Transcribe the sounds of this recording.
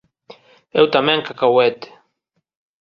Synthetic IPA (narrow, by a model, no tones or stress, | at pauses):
ewt̪amẽŋkakawet̪